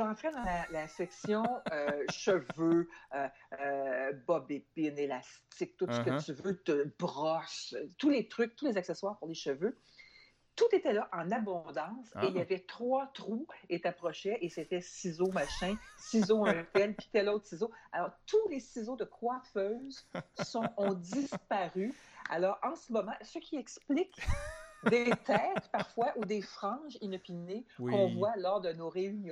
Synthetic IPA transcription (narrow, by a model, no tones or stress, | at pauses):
ʒɑ̃t̪ʁɛd̪ɑ̃lalasɛksjɔ̃øʃəvøøøbɔbepɪnelast͡sɪk̚t̪ʊt̪səkət͡s̪yvøt̪əbʁɔst̪ulet̪ʁʏk̚t̪ulezaksɛswaːʁpuʁleʃəvø | t̪ut̪et̪ɛlaʔɑ̃nabɔ̃d̪ɑ̃seiljavɛt̪χwat̪ʁuet̪apʁɔʃɛʔeset̪ɛsizomaʃɛ̃sizoɛ̃t̪ɛlpi̥t̪ɛlɔt̪χsizoalɔːʁt̪ulesizod̪əkwaʁfœzsɔ̃ɔ̃d̪d͡z̪ispaʁya̰lɔːʁɑ̃səmɔmɑ̃səkʲiɛksplɪkʲd̪et̪ɛːt̪paʁfwaʔud̪efʁɑ̃ʒinɔpinekɔ̃vwalɔːʁd̪ənoʁeynj̃